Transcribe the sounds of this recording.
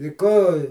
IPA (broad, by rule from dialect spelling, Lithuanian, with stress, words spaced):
ɪ ˈkoː